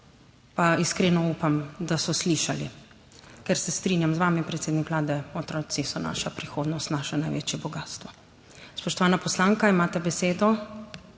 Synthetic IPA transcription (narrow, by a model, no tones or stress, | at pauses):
paiskɾeːnɔupamd̪asɔsliʃalḭ | kɛɾsɛst̪ɾiːnjamzʋaːmipɾɛt̪seːd̪nikʋlaːd̪ɛɔt̪ɾɔːsisɔna̰ːʃapɾixoːd̪nɔst̪naːʃɛnajʋḛt͡ʃjɛbɔɡaːst̪ʋɔ | spɔʃt̪ɔʋaːnapɔslaːŋkaimaːt̪ɛbɛseːd̪ɔ